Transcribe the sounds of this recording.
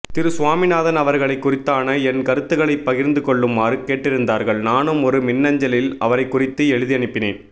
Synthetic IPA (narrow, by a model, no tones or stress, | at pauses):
t̪ɪɾɯsʊʋaːmɪnaːðɐnɐʋɐɾɣɐɭɐɪkːʊrɪt̪ːaːnɐɛnkɐɾɯt̪ːɯɣɐɭɐɪpːɐɣɪɾnd̪ɯkɔɭːɯmːaːɾɯkeːʈːɪɾɯnd̪aːɾɣɐɭnaːnɯmɔɾɯmɪnːɐɲd͡ʒɐlɪlɐʋɐɾɐɪkːʊrɪt̪ːɯɛɻɯðijɐɳɪpːɪnḛːn